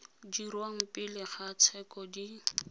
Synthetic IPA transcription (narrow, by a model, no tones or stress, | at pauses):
dirwaŋ̩pɪlɪχat͡sʰɛkɔdi